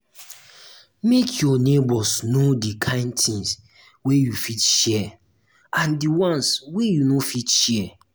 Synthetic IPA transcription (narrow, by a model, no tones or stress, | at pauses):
mekʰjɔnebɔsnodikʰãɪ̃ndtĩŋs | wejufitʃɛ | ãndiwɔ̃nswejunofitʃɛ